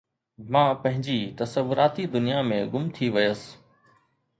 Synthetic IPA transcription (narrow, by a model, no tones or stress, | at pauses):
mãːpɐ̃ɦɪ̃ɲd͡ʑit̪ɐsəʋʊɾaːt̪id̪ʊnijamẽɡʊmt̪ʰiʋɐjəs